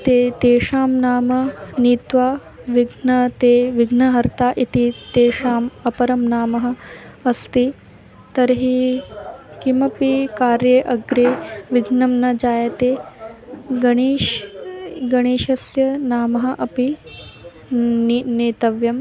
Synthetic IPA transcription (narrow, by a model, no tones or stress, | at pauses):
t̪eːt̪eːʂaːmnaːmɐniːt̪ʋaː | ʋiɡʱnɐt̪eːʋiɡnɐɦɐɾt̪aːʔit̪it̪eːʂaːmɐpɐɾɐmnaːmɐɦɐ̆ɐst̪i | t̪ɐɾɦi | kimɐpikaːɾjɐʔɐɡɾeːʋiɡʱnɐmnɐd͡ʒaːjɐt̪eː | ɡɐɳiːʃ | ɡɐɳ̃iːʃɐsjɐnaːmɐɦɐ̆ʔɐpi | neːt̪ɐʋjɐm